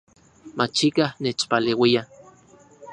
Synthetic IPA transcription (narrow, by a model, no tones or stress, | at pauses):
mat͡ʃikahnet͡ʃpaleːwia